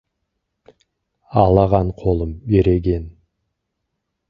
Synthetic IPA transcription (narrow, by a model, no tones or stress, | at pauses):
ɑlˠɑʁɑɴqʰo̞lˠəmbeɾeɡʲe̞n